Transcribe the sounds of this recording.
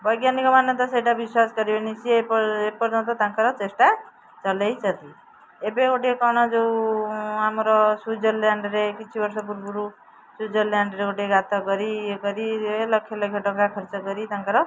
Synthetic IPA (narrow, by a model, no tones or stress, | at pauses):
bʌjɡjanikɔmanːʌt̪ɔsejʈabiswaskʌɾibenisʰiepepʌɾd͡zʌnt̪̬ɔt̪ãŋkaɾɔt͡sesʈa | t͡sʌlejt͡ʃʌt̪ʰi | ebekoʈekɔɽ̃ɔd͡zow | amɾɔsud͡zɔlːaɳɖɾekit͡sʰibʌɾsɔpuɾbuɾu | sud͡zʌlːjaɳɖɾeoʈjeɡat̪ɔɡʌɾiɡʌɾielʌkʰːjelʌkʰːjeʈɔkɾakʰɔɾt͡sɔɡʌɾit̪aŋkaɾɔ